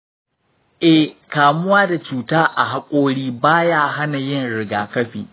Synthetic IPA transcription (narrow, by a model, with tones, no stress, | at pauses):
ʔɛ˦kaː˨mʊ˦waː˦da˨t͡ʃuː˨taː˦ʔa˨ɦa˦kʷʼoː˦ɽiː˦baː˦jaː˦ɦa˦na˨jɪ˦nɽɪ˨ɡaː˨kɐ˦ɸiː˨